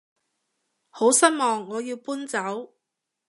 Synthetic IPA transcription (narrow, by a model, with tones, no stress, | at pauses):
ho˨˥wsɐ˥t̚mɔː˨ŋːɔː˨˧jiː˧wpuː˥nt͡sɐ˨˥w